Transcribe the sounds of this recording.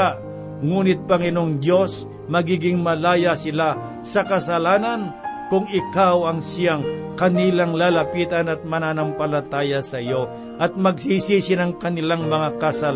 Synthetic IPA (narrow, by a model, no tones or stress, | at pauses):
a | ŋuːnɪt̪̚pɐŋɪnoŋd̪jo̞s | mɐɡiːɡɪŋmɐlaːjasɪla | sɐkɐsɐlaːnɐnkʊŋɪkawɐŋsɪjaŋkɐnilaŋlalɐpiːt̪ɐnɐt̪̚mɐnaːnɐmpɐlɐt̪aːjɐsɐɪjo̞ | ʔɐt̪̚mɐɡ̚sisisɪnɐŋkɐnɪlaŋmɐŋakɐsɐl